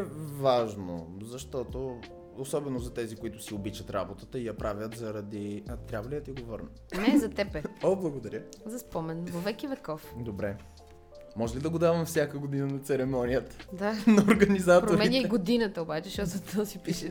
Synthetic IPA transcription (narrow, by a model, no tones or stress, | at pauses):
ɛvaʒno̰zɐʃt̪ɔt̪o | osɔbɛnozɐt̪ɛzikoit̪ʊ̥siobit͡ʃɐt̪ɾa̰bot̪ət̪əijɐpɾavʲjət̪zɐɾɐd̪iɐt̪ɾʲabvɐlid̪ɐt̪iɡovəɾnə | nɛzɐt̪ɛpɛoblˠɐɡod̪ɐɾjəzɐspɔmɛnvɐvɛkʲivɛkɔfd̪obɾɛ | mɔʒɛlid̪ɐɡod̪avɐmfsʲjakəɡod̪inənɐt̪sɛɾɛmɔnijət̪ə̥d̪anɐoɾɡɐnizatpɾooɾmɛiniiɡod̪inət̪əobat͡ʃɛʃɔsɐt̪ɔsipiʃɛ